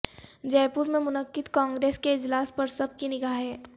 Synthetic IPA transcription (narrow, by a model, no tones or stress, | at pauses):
d͡ʒɛːpuɾmẽmʊnəkːɪd̪kãːŋɡɾeːskeɪd͡ʒlaːspɐɾsɐb̚kinɪkaːɦɦɛː